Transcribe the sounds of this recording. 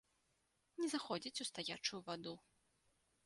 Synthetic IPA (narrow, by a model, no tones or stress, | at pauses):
nʲɛzaxɔd͡zʲit͡sʲust̪ajat͡ʂujuvad̪u